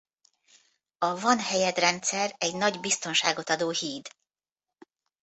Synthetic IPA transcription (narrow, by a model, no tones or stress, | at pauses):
ɒvɒnhɛjɛd̪rɛnt̪sɛrɛɟnɒɟbist̪o̞nʃa̰ːɡo̞t̪ɒd̪oːhiːd̪